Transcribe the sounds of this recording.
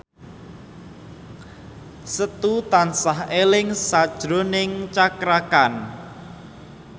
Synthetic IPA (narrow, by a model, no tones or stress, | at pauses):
sət̪ut̪ansaɦelɪŋsad̥ʒ̥ɾonɪŋt͡ʃakɾakan